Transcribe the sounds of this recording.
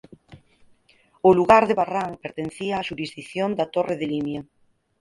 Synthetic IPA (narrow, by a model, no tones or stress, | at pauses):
ʊluɣaɾðeβaraŋpeɾt̪en̟θiaːʃuɾizðiθjond̪at̪oreðelimja